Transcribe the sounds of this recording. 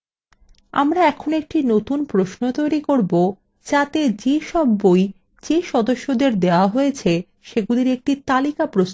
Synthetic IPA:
a̰mɾaɛkʰonoek̚ʈinot̪unpɾosnot̪ojɾikoɾbo | d͡ʑat̪ed͡ʑeʃɔbːoj | d͡ʑeʃɔd̪oʃːod̪eɾd̪eoaɦojet͡ɕʰe | ʃeɡuliɾek̚ʈit̪alikapɾos

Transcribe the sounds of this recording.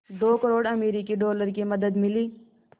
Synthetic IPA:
d̪oːkəɾoːɽɐmeːɾikiɖoːləɾkimɐd̪əd̪mɪliː

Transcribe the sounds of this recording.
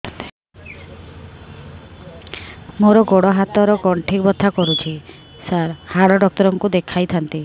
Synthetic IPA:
t̪i̥ | moɾɔɡoɽɔɦat̪ɔɾɔɡɔɳʈʰikbɔt̪ʰːakɔɾut͡ʃʰi | saɾhaɽɔɖɔk̚t̪ɔɾɔŋkud̪ekʰajt̪ʰant̪i

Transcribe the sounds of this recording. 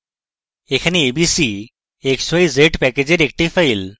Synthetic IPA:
ekʰaneːbisi | eksojzeʈpɛked͡ʑeɾek̚ʈifʰajl

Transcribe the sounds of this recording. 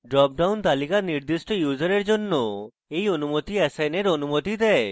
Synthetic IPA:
ɖɾɔp̚ɖawnt̪alikaniɾd̪isʈɔjud͡ʒɔɾeɾd͡ʒonːɔ | ejɔnumot̪iɛsajneɾɔnumɔt̪id̪ɛ

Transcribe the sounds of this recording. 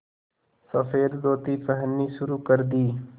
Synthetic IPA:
səfʰeːɾd̪oːt̪iːpəɦənːiːʃʊɾuːkəɾd̪iː

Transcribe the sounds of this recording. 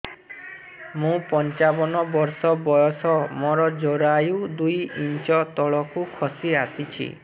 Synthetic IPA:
mũpɔnt͡ʃabɔnɔbɔɾsɔbɔjɔsɔmɔɾɔd͡ʒɔɾajud̪ujint͡ʃɔt̪ɔɭɔkukʰɔsiasit͡ʃʰḭ

